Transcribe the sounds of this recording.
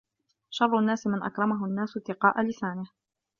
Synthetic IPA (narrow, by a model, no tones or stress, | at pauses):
ʃɑrˤːʊnːaːsɪmɪnʔa̰kɾˤɑmaɦʊnːaːsʊt̪ːɪqɑːʔalɪsaːnɪh